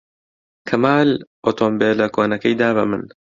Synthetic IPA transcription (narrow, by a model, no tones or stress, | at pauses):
kʰɐmaːlʔoːt̪ʰombeːlɐkʰoːnɐkɐjd̪aːβɐmɨ̰n